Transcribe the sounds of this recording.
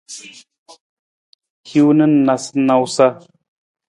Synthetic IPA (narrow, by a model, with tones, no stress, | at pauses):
hi˦wnə˦n˦na˨sna˨wsa˦